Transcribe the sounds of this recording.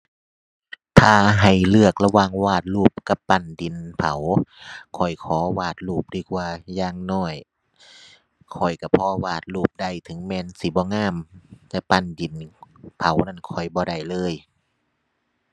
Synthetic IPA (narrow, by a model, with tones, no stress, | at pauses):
t̪ʰaː˧ɦa˨˩jlɯ˧˩ək̚la˧waː˧˩ŋwaː˧˩t̪̚luː˧˩p̚ka˧˦pːa˧˩ndi˨˦npʰa˨˦wkʰɔ˨˩jkʰɔː˨˦waː˧˩t̪̚luː˧˩p̚diː˧˩k̚waː˧jaː˧˩ŋnɔː˧˩j | kʰɔ˨˩jka˧˩pʰɔː˧˦waː˧˩t̪̚luː˧˩p̚da˧˩jt̪ʰɯ˨˦ŋmɛː˧˨nsi˧˦bɔː˧˦ŋaː˧˥˨mt̪ɛː˧˦pa˧˩˨ndi˨˩npʰa˨˦wna˧˩˨nkʰɔ˨˩jbɔː˧˦da˧˩jlɤː˧˥˨j